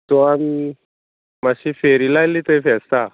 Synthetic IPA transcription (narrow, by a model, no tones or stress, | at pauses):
t̪ɔami | maɕiːfeɾilajliːt̪əjfɛst̪a